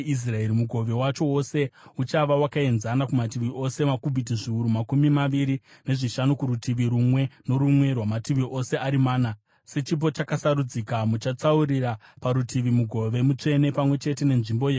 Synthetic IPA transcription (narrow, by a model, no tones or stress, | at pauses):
is̬rae̞ɾimuɡʱo̞ʋe̞wat͡ʃo̞wo̞se̞ut͡ʃaʋawakae̞nzanakumatiʋiʔo̞se̞makubʱit̬iʐiuɾumakumimaʋiɾi | ne̞ʐiʃanukuɾutiʋiɾumwe̞no̞ɾumwe̞rwamatiʋiʔo̞se̞aɾimaːna | se̞t͡ʃip̬o̞t͡ʃakasaɾud͡zikamut͡ʃat͡saurirapaɾutʰiʋimuɡʱo̞ʋe̞mut͡ʂe̞ne̞pamwe̞t͡ʃe̞t̬e̞ne̞nʐimbo̞je